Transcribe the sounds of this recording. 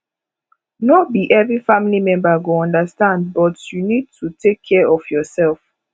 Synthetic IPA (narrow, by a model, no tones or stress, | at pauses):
nobiʔɛvɹifãmilimɛ̃mbəɡoɔ̃ndəstãnd̚bɔtjunid̚tʰutʰekʰːɛɹɔfjɔsɛlf